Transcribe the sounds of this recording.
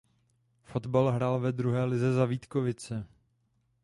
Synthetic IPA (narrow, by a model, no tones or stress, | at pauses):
fo̞d̪balɦɾaːlvɛd̪ɾuɦɛːlɪzɛzaviːt̪kovɪt͡sɛ